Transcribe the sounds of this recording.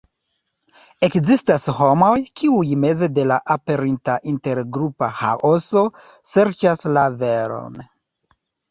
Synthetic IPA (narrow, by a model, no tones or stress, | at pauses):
e̞kzistasho̞mo̞jkʰiujme̞ze̞de̞laʔape̞ɾintaʔinte̞ɾɡɾupaha̰ʔoso̞ | se̞ɾt͡ʃaslaveɾo̰n